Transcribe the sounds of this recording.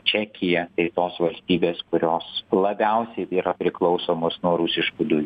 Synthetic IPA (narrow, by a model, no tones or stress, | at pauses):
t͡ʃʲæːkʲɪjɛt̪ɐɪt̪oːsʋɐlʲsʲt̪ʲiːbʲeːskʊɾʲoːslˠɐbʲɛˑʊsʲɛɪiːɾɐpʲɾʲɪklˠɒʊsoːmoːsnuɔɾʊsʲɪʃkud̪ʊj